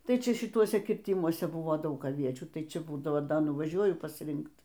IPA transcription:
ˈtɐɪ ˈt͡ʃʲɛ ʃʲɪˈtuɔsʲɛ kʲɪrʲˈtʲɪmuɔsʲɛ ˈbʊʋoː ˈdɐʊk ɐˈʋʲiɛt͡ʃʲuː ˈtɐɪ ˈt͡ʃʲɛ ˈbuːdɐʋoː nʊʋɐˈʒʲuɔjʊ pɐsʲˈrʲɪŋkt

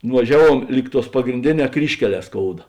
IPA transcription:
nʊʋɐˈʒʲæːˌʋuɔm ˈlʲiːk ˌtuɔs pɐɡrʲɪnʲˈdʲeːˌnʲɛː ˈkrʲiːʃʲkʲɛˌlʲɛː ˈskoːʊdɐ

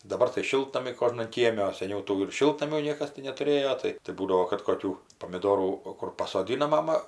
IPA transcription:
dɐˈbɐr tɐɪ ˈʃʲɪlˠtnɐmʲɛɪ ˈkoːʒnɐn ˈkʲiɛmʲɛ oː sʲɛˈnʲɛʊ ˈtuː ɪr ˈʃʲɪlˠtnɐmʲuː ˈnʲiɛkɐs tʲɪ nʲɛtʊˈrʲeːjoː ˈtɐɪ tɐɪ ˈbuːdɐʋoː kɐt koːˈkʲuː poːmʲɪˈdoːruː oː ˈkʊr pɐsoːˈdʲɪnɐ ˈmɑːmɐ

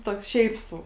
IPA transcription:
ˈtoːks ˈʃʲɛɪp ˈsɐʊ

